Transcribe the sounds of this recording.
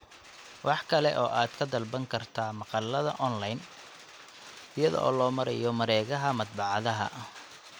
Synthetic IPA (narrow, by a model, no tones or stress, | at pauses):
wɑħkʰɐlɛʔɔːʔaːd̪̥kʰɐd̪ɐlbɐŋkʰɐrt̪ʰaːmɑqɑlːɐðɐʔɔnlɐjn | ɪjɐðɔ̰ʔɔːlɔːmɐɾɛjɔmɐɾɛːɣɐɦɐmɐd̪̚bɑʕɑðɐɦɐ̰